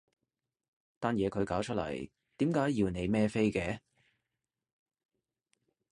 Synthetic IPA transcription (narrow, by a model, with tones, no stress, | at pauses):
t̪aː˥njɛː˨˧kʰɵ˨˧ɥkaː˨˥wt͡ʃʰɵ˥t̚lɐ̰˨˩j | t̪iː˨˥mkaː˨˥jjiː˧wne˨˧jmɛː˥fe˥jkɛː˨˧